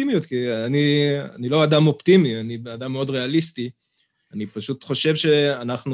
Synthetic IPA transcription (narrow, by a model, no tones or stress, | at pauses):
imijut̪kiaania̰nilo̞ad̪amo̞pt̪imianiadamːeo̞dʁe̞alisti | anipaʃutχo̞ʃe̞vʃe̞anaχnu